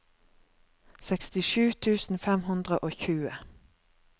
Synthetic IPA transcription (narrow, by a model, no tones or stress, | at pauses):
sɛkst̪ɪʃʉːt̪ʰʉːsn̩fɛmhʉnd̪ʁəʔoːçʉːə